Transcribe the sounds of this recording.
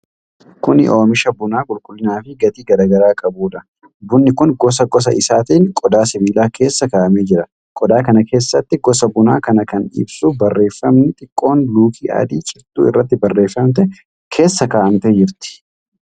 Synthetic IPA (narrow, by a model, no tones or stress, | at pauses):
kʊnɪ̰ʔo̞ːmɪʃɐbʊnaːkʼʊlkʼʊlːɪnaːfɪɡɐt̪iːɡɐɾaːɡɐɾaːkʼɐbuːᶑ̪ɐ | bʊnːɪkʊnɡɔs̬ɐɡɔs̬ɐʔɪsaːt̪iːŋkʼɔd̪aːsɪbiːlaːkʰe̞ːsːɐkaːʔɐmeːd͡ʒɪɾɐ | kʼɔd̪aːkɐnɐkʰe̞ːsːɐt̪ːɪɡɔs̬ɐbʊna̰ːkɐnɐkɐnɪ̰bsubɐrːe̞ːfːɐmnɪt̪ʼɪkʼːo̞ːnluːkʰiːʔɐ̰d̪iːt͡ʃʼɪɾt̪ṵːɪ̰rːɐt̪ːɪbɐrːe̞ːfːɐmt̪ɛ | kʰe̞ːsːɐkaːʔɐmt̪ɛd͡ʒɪɾt̪ɪ̥